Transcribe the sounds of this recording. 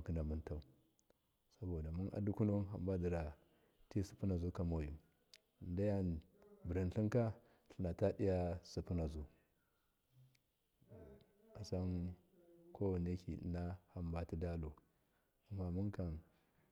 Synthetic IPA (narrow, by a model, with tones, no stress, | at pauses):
ki˦na˨mu˦nta˦˨u˨ | sa˦bo˨da˨mu˦nʔa̰˨du˦ku˦no˦nɦa̰˨mba˦di˨ɾa˨ | ti˦su̥˨pu˦na˨zu˦ka˨mo˨ju˨ | nda˦ja˦n | bi˨ɾi˨n˦ɬi˦ŋka˦ | ɬi˨na˨ta˦di˦ja˦su˨pu˦na˨zu˦ | a˨sa˦n | ko˦wa˨ne˦kḭ˨na˦ha˨mba˦ti˦da˦lo˨ | a˨mːa˦mu˦ka˨n